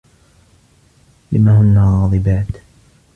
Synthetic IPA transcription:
lɪmahʊnːaɣɑːðˤɨbaːt̪

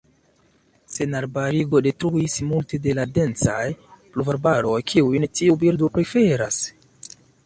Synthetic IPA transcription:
se̞naɾbaɾiɡo̞de̞tɾuismulte̞de̞lade̞nt͡sa̰jpluvaɾbaɾo̞jkʰiujntiubiɾdopɾe̞fe̞ɾas

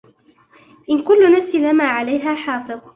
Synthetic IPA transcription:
ʔɪnkʊlːʊnafsilamaːʕalajɦaːħɑːfɨðˤ

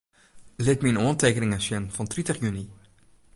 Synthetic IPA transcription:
letminɔːntekənɪŋasjɛnfɑntɾitəχjyni

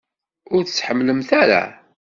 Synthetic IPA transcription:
ʊɾθət͡sːħəmːləmθæɾa̰

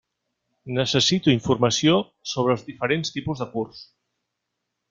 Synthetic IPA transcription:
nəsəsit̪uiɱfurməsio | soβ̞ɾəːlˠzðifəɾenst̪ipuzðəkurs

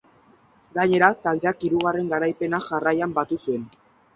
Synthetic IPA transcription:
ɡaɲe̞ɾat̪ald̪e̞akiɾuɣare̞ŋɡaɾajpe̞naʝarajambat̪usue̞n

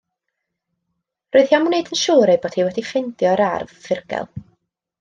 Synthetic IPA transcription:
roːɨð̥hjamunedənʃuːɾɛboːd̥hiːwɛdifɪndjɔɾarvfɪrɡ̥ɛ̰lˠ

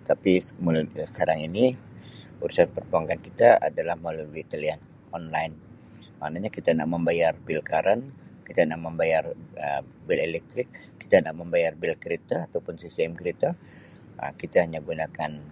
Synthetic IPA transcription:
t̪apimsə̥kaɾaŋini | uɾusanpərbuaŋkankit̪aa̰dalahmaluluit̪alian | ɔnlajn | ma̰ʔnaɲakit̪ana̰k̚məmbajarbɪlkaɾankit̪anak̚məmbajarə | bɪlelɛk̚t̪ɾɪkː | i̥t̪anak̚məmbajarbɪlkəɾit̪aːt̪awpʊnsisɛmkɾit̪a | ə̰kit̪ahaɲaɡunakan

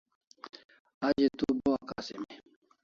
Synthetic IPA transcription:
ad͡ʒet̪ubɔwakasḛmɛ

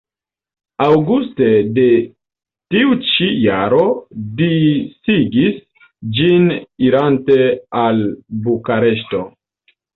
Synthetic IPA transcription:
awɡuste̞de̞ | tiut͡ʃijaɾo̞disiɡis | d͡ʒiniɾante̞albukaɾe̞ʃ̬to̞

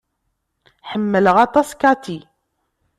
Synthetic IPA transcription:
ħəmːələʁɑt̪ˤɑskɑt̪i

